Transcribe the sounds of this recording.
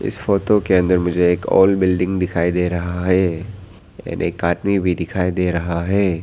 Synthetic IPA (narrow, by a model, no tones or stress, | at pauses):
ɪ̰sfoːt̪okeɐ̃nd̪əɾmʊd͡ʒʱeeːkɔ̰ːlbɪlɖɪ̃ŋɡd̪ɪkʰaːid̪eːɾɐɦaɦɛː | ja̰ːnʔeːkːaːʈmibʱid̪ɪkʰaːid̪eːɾɐɦaɦɛː